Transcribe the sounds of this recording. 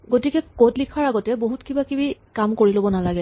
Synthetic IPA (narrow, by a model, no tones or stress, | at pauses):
ɡotikɛkotlikʰaɹaɡɔtɛboɦutkibakibikamkoɹilobɔnalaɡɛ